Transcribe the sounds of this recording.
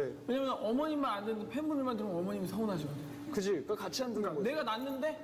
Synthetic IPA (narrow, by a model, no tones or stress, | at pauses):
ewe̞ɲamjʌnʔʌmʌɲimːanandenɯndepʰe̞nbumiɭmandɯɾomʌmʌɲimisʰaonɦaɕ̬ʰiɡʌde | kɯd͡ʑikakat͡ɕʰiɦandʰɯne̞ɡananːɯnde̞